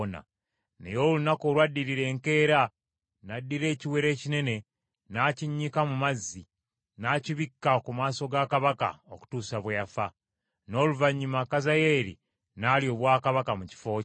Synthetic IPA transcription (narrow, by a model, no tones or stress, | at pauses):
na̰ | ne̞̰jo̞ːlunakoːlwadːiɾiɾe̞ːŋke̞ːɾa | nadːiɾe̞ːciwe̞ɾe̞ːcine̞ne̞ | naciɲːikamumazːi | naciβikːakumaːso̞ɡakaβaka̰oku̥tuːsaβwejafa | no̞ːluvaɲːimakazaje̞ːɾḭ | naːlio̞ːβwaːkaβakamuci̥fo̞ː